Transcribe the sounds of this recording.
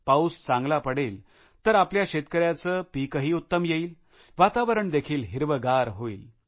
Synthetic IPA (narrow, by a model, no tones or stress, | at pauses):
paust͡sãŋɡlapəɽel | t̪əɾapljaɕet̪kəɾjat͡səːpikəɦiːut̪ːəmjeiːl | ʋat̪aʋəɾəɳd̪ekʰiːlɦiɾʋəɡaɾɦoḭːl